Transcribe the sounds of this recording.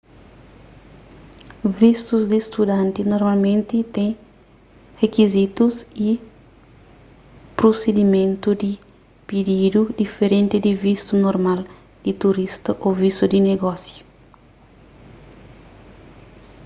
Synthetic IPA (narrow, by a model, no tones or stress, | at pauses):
vist̪uzd̪ist̪ud̪ɐ̃nt̪inoɾmalmẽnt̪it̪ẽ | hekizit̪usi | pɾosed̪imẽnt̪ud̪i | pid̪id̪ud̪ifeɾẽnt̪id̪ivist̪unoɾmal | d̪̥it̪uɾist̪ɐʔovist̪ud̪ineɡɔsju